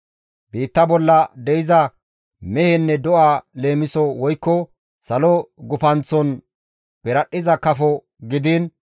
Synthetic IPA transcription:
biːt̪ːɐbɔlːɐd̪ɛɪzɐ | mɛhɛnːɛd̪ɔʔaːle̞ːmɪsɔwɔjkːɔ | sɐlɔɡʊpɐnt͡sːɔn | b̥ɛɾɐɗːɪzɐkɐfɔ | ɡɪd̪ɪn

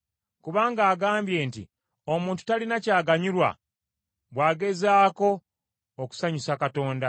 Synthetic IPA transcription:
kuβaːŋɡaːɡaːmbje̞ːntḭ | o̞mũːntu̥talinacaːɡaɲiɾwa̰ | βwaːɡe̞zaːko̞ː | ku̥saɲusakato̞ːnda

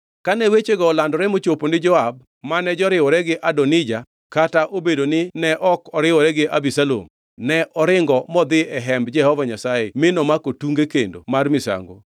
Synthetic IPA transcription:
kanɛwet͡ʃeɡɔːlandɔɾɛmot͡ʃoponɪd͡ʒɔab̚ | manɛd͡ʒɔɾɪwɔɾɛɡɪʔadɔnɪd͡ʒa | kataʔobedonɪnɛʔɔkɔɾɪwɔɾɛɡɪʔabisalo̰m | nɛʔɔɾɪŋɡɔmɔd̪ɪɛɦɛmbd͡ʒɛhɔvaɲasaemɪnɔmakotuŋɡekḛndo̰marmɪsa̰ŋɡo̰

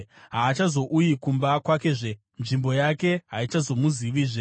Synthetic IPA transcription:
ɦaːt͡ʃazo̞ʔujikumbakwake̞ʐe̞ | nʐimbo̞jake̞ɦait͡ʃazo̞muziʋiʐe

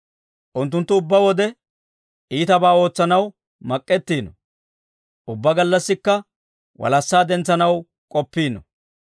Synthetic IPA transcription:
ʔʊnt̪̬ːʊnt̪ːʊʊbːɐwɔd̪ɛ | ʔiːt̪ɐbaːo̞ːt͡sːɐnɐw | mɐkʼːɛt̪ːiːnɔ | ʔʊbːɐɡɐlːɐsːɪkːɐ | wʔɐ̰lɐsːaːd̪ɛnt͡sːɐnɐw | kʼɔpːiːnɔ

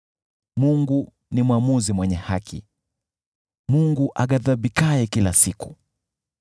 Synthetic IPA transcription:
muŋɡu | nimwamuzimwɛɲɛhakʰḭ | muŋɡuʔaɠaðaɓikajɛkilasiku̥

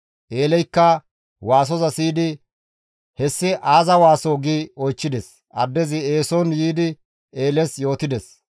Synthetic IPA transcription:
ʔe̞ːlɛjkːɐ | waːs̬ɔzɐsiːd̪ɪ | hɛsːɪʔaːzɐwaːsoːɡiːɔjt͡ʃːɪd̪ɛs | ʔɐ̰d̪ːɛzɪeːsɔnjiːd̪ɪ | eːlɛsjo̞ːt̪ɪd̪ɛs

